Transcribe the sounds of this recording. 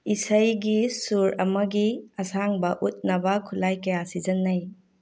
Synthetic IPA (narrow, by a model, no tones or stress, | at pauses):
isajɡisuɾɐ̰mɐɡiɐsaŋbɐʔut̚nɐbɐkʰulajkɐjasid͡ʒɐnːaj